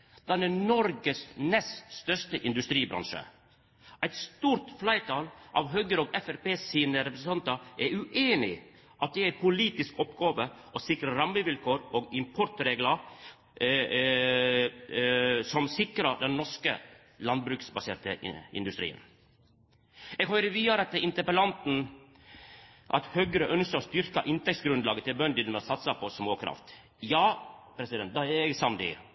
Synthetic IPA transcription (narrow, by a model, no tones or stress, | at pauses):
d̪̥ɛnɛnɔɾɡəsnɛst̪st̪œʂt̪əʔɪnd̪ʉst̪ɾiːbɾɑ̰nʂə̰ | ʔæɪt̪st̪uːɾt̪flæɪt̪ʰɑːlʔɑ̰ʋɦøːɡəɾɔːɡɛfæɾpeːsiːnəɾɛpɾəsəɑnt̪əʔɛɾʉʔeːnɪ̰ | ʔɑt̪̚d̪ɛæɪpʰʊliːt̪ɪskɔpɡɑːʋə | ɔsɪkɾəɾɑmːəʋɪlkʰoːɾoːɡɪmpʰɔɾt̪ɾeːɡlə | sɔmsɪkɾəd̪ɛnnːɔʂkə | lɑnd̪̚bɾʉːksbɑseːʈə̰ɪ̰nd̪ʉst̪ɾḭːə̰n | ɛːɡhœʏɾəʋiːd̪ɑɾəɑt̪ɪnt̪əpəlɑnt̪n̩ | ʔɑ̰t̪høːɡəɾəʔœnskəɾɔst̪ʏɾkɑʔɪnt̪ɛkt̪sɡɾʉnd̪lɑːɡət̪ɪlbœnd̪ɪd̪mɛsɑt̪sɑpʰɔsmoːkʰɾɑ̰ft̪ | jɑːpʰɾɛsɪd̪ɛnt̪̚d̪ɑɛɡsɑmd̪ḭ